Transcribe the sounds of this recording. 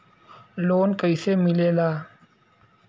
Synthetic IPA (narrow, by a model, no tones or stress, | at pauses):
loːnkəjsemilelaː